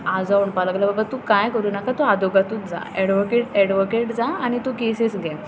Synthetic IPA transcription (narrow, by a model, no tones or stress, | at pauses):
ad͡zauɳpaləɡlababat̪ũkajkəɾuːnakat̪uad̪oɡat̪ũːt̪̚d͡za̰ɛɽʋokeʈɛɽʋokeʈd͡zaañit̪ũkesesɡɛ̃